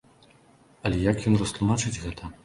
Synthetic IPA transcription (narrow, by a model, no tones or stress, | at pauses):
ɐlʲɛjakjɔnrɐst̪lˠumat͡ʂɨd͡zʲɣɛt̪ʰɐ